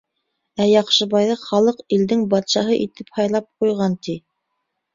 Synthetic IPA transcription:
æjɑqʃɤ̆βɑjðɤχɑlˠɤqild̪ɘŋbɑt̪ʃɑɦɤʔit̪ɘphɑjlˠɑp̚qujʁɑnt̪i

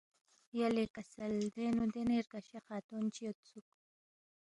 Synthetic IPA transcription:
jalekasald̪enud̪eneɾkaʃeqaːt̪unt͡ʃijot̪t͡suk̚

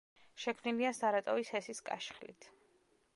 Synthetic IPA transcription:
ʃɛkʰmniliasaɾat̪ʼɔvishɛsiskʼa̰ʃχlḭt̪ʰ

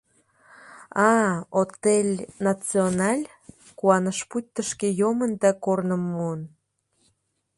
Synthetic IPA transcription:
ɑot̪elʲnɑt͡sionɑlʲ | kuɑnəʃput̚ʲt̪əʃkejomənd̪ɑkornəmːuən

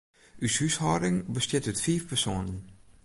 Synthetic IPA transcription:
ʔyshyshɔːɾɪŋbəstjɪtətfiːfpɛrsoːnən

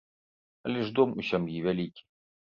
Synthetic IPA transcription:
ɐlʲɛʐd̪ɔmusʲamjivʲalʲikʲi̥

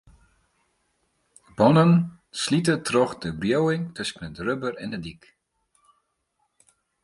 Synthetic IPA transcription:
bɔnən | slitətrɔχdəbrjowɪŋtøsənətrøbərɛ̰ndədik

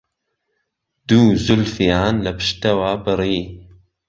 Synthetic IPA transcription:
d̪̥uːzʊlfijaːnlɐpɨ̥ʃt̪ɐwaːbɨɾiː

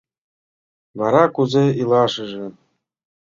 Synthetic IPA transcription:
vɑɾɑkuzeilˠɑʂɤ̆ʐɘ̆

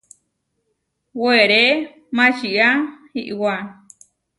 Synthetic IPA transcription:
weɾe | mãt͡ʃiahiʔwa

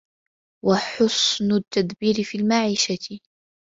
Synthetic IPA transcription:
waħʊsnʊt̪ːad̪biːɾɪfiːlmaʕiːʃat̪ɪ

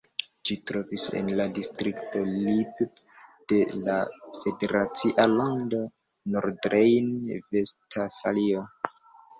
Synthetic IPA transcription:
d͡ʒitɾo̞visḛnladistɾikto̞lib | d̥e̞lafe̞de̞ɾat͡siʔalando | noɾdɾejnvestʰafalio

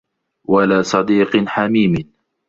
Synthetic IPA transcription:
walaːsˤɑd̪iːqħamiːmɪ

